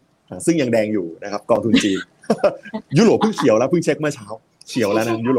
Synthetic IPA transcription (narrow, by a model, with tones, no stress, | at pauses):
ʔaː˨˩sɯ˥˩ŋja˧ŋdɛː˧ŋjuː˨˩na˦˥kʰa˦˥p̚kɔː˧ŋt̪ʰu˧nt͡ɕiː˧n | juː˦˥˩ɾoː˨˩pʰːɯ˥˩ŋkʰi˨˦əwlɛ˧˦˥wpʰɯ˥˩ŋt͡ɕʰe˦˥k̚ma˥˩ɐt͡ɕʰaː˦˥w | kʰi˩˦əwlɛ˦˥na˦˥juː˦˥˩ɾo˨˩